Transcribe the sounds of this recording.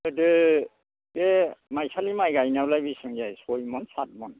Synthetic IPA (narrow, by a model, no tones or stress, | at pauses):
ɯdɯ | demajsʰalimajɡajnawlajbisɯŋjajsɔjmɔnsat̚mɔn